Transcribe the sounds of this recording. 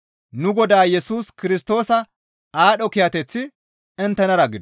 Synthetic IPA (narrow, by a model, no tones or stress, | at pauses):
nʊɡɔd̪aːjɛsuːskɪɾɪst̪o̞ːsɐ | aːɗɔkɪjɐt̪ɛt͡sːɪ | ɛnt̪ːɛnɐɾɐɡɪd̪